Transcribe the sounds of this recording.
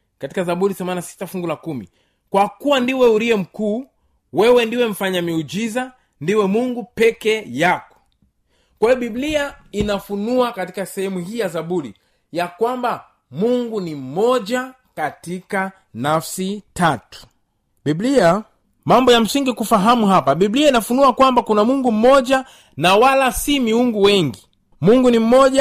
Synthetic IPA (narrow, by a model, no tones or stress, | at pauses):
kati̥kazaɓuɾiθɛmanasi̥tafuŋɡulakumḭ | kwakuwandiwɛuɾiɛm̩kuː | wɛwɛndiwɛm̩faɲamiud͡ʒiza | ndiwɛmuŋɡupɛkɛjakɔ̥ | kwaijɔɓibliainafunuakatikasɛhɛmuɦiːjazaɓuɾḭ | jakwamba | muŋɡunim̩mɔʄa | katika | nafsitatu̥ | biblia | mambɔjam̩siŋɡikufaɦamuɦapaɓibliainafunuakwambakunamuŋɡum̩mɔʄa | nawalasimiuŋɡuwɛŋɡi | muŋɡunim̩mɔʄa